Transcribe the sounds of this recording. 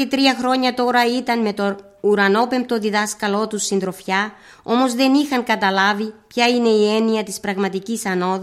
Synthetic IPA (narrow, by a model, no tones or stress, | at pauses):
et̪ɾiɐxɾo̞ɲɐt̪o̞ɾɐit̪ɐnme̞t̪o̞ | uɾɐno̞pe̞mp̚t̪o̞ðiðɐskɐlo̞t̪usːind̪ɾo̞fçɐ | o̞mo̞zðe̞nixɐŋkɐt̪ɐlɐvipçɐine̞ie̞niɐt̪ispɾɐɣmɐt̪icisɐno̞ð